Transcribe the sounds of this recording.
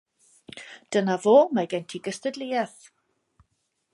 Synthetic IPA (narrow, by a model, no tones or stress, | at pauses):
d̥ənavoːmaɡɛntʰiɡəstədlɪɛθ